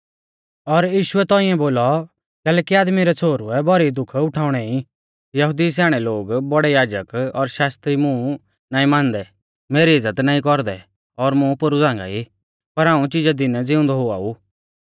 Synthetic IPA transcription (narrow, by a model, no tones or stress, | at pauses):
ɔɾjiːʃʊɛt̪ɔ̃ːĩɛ̃boːlɔ | kɛːlɛːkiaːd̪miɾɛt͡sʰoːɾuɛbɔɾid̪ʊkʰʊʈʰaːʊɽ̃ɛĩ | jɐɦʊd̪is̬ɛːɽ̃ɛloːɡbɔɽɛjaːd͡ʒəkɔɾʃaːst̪ɾimʊ̃ | naːĩmãːnd̪ɛ | meːɾiɪzːət̪naːĩkɔɾd̪ɛ | ɔɾmʊ̃pʊɾud͡zãːŋɡa̰i | pɐɾãːũt͡ʃɪd͡ʒad̪ɪnɛd͡zɪʊ̃nd̪ɔɦʊa̰ːu